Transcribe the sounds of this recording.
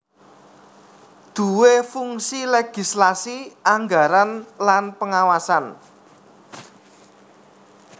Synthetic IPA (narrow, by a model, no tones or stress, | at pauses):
d̪̥ṳwefuŋsileɡ̥i̤slasiaŋɡaɾanlanpəŋawasan